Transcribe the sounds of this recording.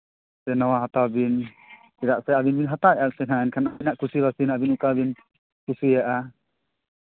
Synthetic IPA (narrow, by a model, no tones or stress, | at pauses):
sɛnawaɦat̪awbin | kiɾaʔsɛabinbinɦat̪aɛʔaʔsɛɦaɛnkʰanabinaʔkusiβasinabinukabin | kusijaʔa